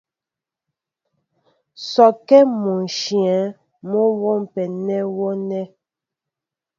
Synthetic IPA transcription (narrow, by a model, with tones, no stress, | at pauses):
sɔ˨kɛ˦mu˨n˨ʃjɛ˨˦ | mɔ˦wɔ˦˨m˨pɛ˨nɛ˦wɔ˦nɛ˦